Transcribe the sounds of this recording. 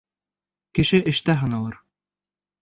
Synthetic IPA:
kɘ̆ʃɘʔɘ̆ʃt̪æɦɤ̆nɤ̆lˠɤɾ

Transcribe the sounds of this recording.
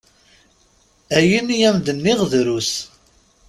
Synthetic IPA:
æjənjæmd̪ənːiʁðɾus

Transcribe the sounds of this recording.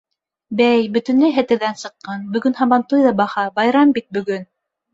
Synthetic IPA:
bæjbɵ̆t̪ɵ̆nlɘɦæ̆t̪ɘ̆ɾðænsɤ̆qːɑnbɵ̆ɡɵnhɑmɑnt̪ujðɑbɑhɑbɑjɾɑmbit̪̚bɵ̆ɡɵn

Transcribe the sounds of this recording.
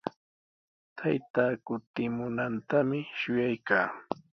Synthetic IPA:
t̪ʰajt̪aːkʊt̪ɪmʊnant̪amɪʃʊjajkaː

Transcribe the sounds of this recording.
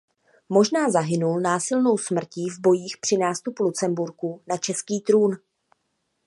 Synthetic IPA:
mo̞ʒnaːzaɦɪnulnaːsɪlno̞wsmr̩civbo̞jiːxpr̝̥ɪnaːst̪upulut͡sɛmbuɾkunat͡ʃɛskiːt̪ɾuːn

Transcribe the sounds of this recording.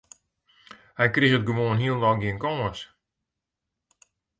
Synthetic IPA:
hɛjkrixət̚ɡəʋoənɦiəlˠlɔɡɪənkɔːəs

